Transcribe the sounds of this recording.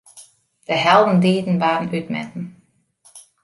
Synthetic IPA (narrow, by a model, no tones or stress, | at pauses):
d̥əɦɛlˠdn̩diːdn̩ʋaːɾn̩ytmɛ̰tn̩